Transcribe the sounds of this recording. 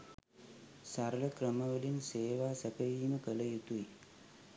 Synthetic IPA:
sɐɾɐlɐkɾɐmɐʋɐlinseːʋaːsɐpɐjiːmɐkɐlɐjut̪ui

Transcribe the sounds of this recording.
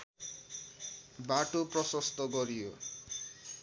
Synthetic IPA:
baʈupɾɔsɔst̪ɔɡɔɾijo

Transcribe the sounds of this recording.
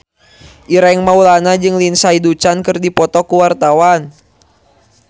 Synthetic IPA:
ʔiɾaŋmaulanad͡ʒɨŋlinsaidut͡ʃankɨrdipɔt̪ɔkuwart̪awan

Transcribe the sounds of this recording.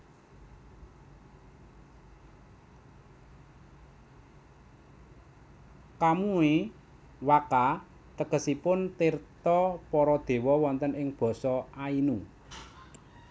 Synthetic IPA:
kamue | waka | t̪əkə̤sipʊnt̪irt̪ɔpɔɾɔd̪̥e̤wɔwɔnt̪ənɪŋb̥ɔ̤sɔainu

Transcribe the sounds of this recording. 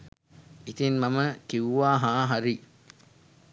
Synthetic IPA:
it̪inmɐməkiwuʋaːɦaːɦaɾi

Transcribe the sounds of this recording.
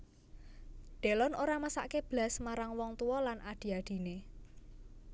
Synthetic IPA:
ɖ̪̥e̤lɔnoɾaməsa̰ʔkeb̥lasmaɾaŋwɔŋt̪uwɔlanʔaɖ̪̥i̤aɖ̪̥i̤ne

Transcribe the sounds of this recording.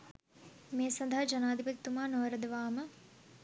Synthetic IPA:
meːsɐnd̪ʱaɦad͡ʒɐnaːd̪ipəkt̪ːumaːnoʋɾəd̪əʋaːmə

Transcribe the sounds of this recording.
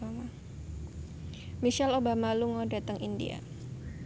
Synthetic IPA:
ama | miʃalobamaluŋɔdat̪əŋindḭa̰

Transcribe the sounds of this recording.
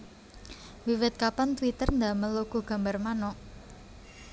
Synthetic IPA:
wiwɛt̪̚kapant̪wit̪ərnd̪aməloɡ̥o̤ɡ̥a̤mbarmanɔʔ

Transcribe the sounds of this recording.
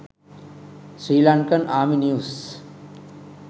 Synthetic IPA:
sɾiːlãːɳkənaːminjuːs

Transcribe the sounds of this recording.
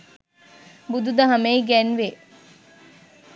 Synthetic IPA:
bud̪ud̪ɐɦɐmeiɡænʋe

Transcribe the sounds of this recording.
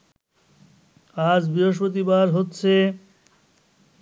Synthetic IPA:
ad͡ʑbɾiɦoʃ̬pɾot̪̬ibaɾɦotːɕʰe

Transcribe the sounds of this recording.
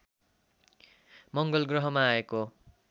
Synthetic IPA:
mʌŋɡʌlɡrʌɦʌmaːeko

